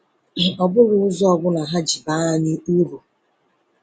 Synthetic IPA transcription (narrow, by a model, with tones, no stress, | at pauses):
ɔ˨bʊ˦ɾʊ˨ʊ˦zɔ˦ɔ˨ɡʊ˦na˨ɦa˦d͡ʒi˨ba˦a˦ɲɪ˦u˦ɾu˨